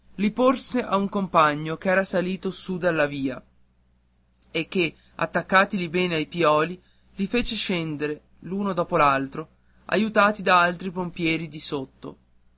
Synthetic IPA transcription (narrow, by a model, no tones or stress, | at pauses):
liporseʔauŋkompaɲːokeɛːɾasaliːt̪osud̪alːaviːa | ekːe | a̰t̪ːakːaːt̪ilibɛːneajpjɔːli | lifeːt͡ʃeʃɛnd̪eɾe | luːnod̪ɔːpolalt̪ɾo | a̰jut̪aːt̪id̪aalt̪ɾipompjɛːɾid̪isot̪ːo̰